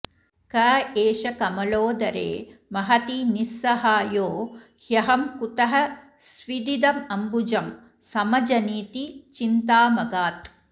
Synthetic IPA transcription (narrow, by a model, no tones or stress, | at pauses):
kɐːeːʃɐkɐmɐloːd̪ɐɾḛːmɐɦɐt̪inisːɐɦaːjoː | hjɐɦɐmkut̪ɐɦɐ | sʋid̪id̪ɐmɐmbud͡ʒɐm | sɐmɐd͡ʒɐniːt̪it͡ʃint̪aːmɐɡaːt̪